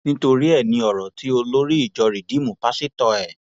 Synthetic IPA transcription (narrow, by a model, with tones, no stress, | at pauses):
nĩ˦to˧ɾi˦ɛ˦˨nĩ˧ɔ˨ɾɔ˨ti˦o˧lo˦ɾi˦i˦˨d͡ʒɔ˨˧ɾi˨di˨˦mũ˨pa˨˦si˦tɔ˧ɛ˨